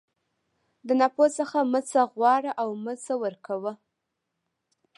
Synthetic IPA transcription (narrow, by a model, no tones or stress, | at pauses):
d̪ənaposəxamət͡saɣwɑɽaʔawməsawəɾkawə